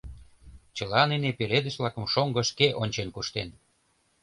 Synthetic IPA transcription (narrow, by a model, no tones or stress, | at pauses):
t͡ɕəlɑninepeled̪ə̆ʃβlɑkə̆mʃoŋɡɤ̆ʃkeʔonʲt͡ɕenkuʃt̪en